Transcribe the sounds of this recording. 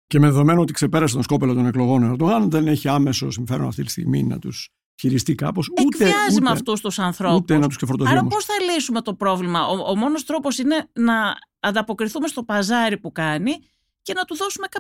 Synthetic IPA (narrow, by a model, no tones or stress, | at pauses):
cemeðeðo̞me̞noo̞t̪ikse̞pe̞ɾɐs̬et̪osko̞pelot̪o̞ne̞klo̞ɣo̞nɐɾd̪oɣɐnðe̞ne̞çiɐme̞so̞siɱfe̞ɾo̞̰nɐ̰ft̪it̪i̥st̪ḭɣmḭnɐ̰t̪us | çiɾist̪ikɐ̰po̞sueɐzimɐft̪ust̪usɐnθɾout̪enɐt̪usksefoɾt̪oðiɐomoposθɐlisume̞t̪o̞pɾo̞vlimɐʔoomo̞no̞st̪ɾo̞po̞sine̞nɐː | nd̪ɐpo̞kɾiθume̞st̪o̞pɐzɐɾipukɐni | ce̞nɐt̪uðo̞sume̞kɐ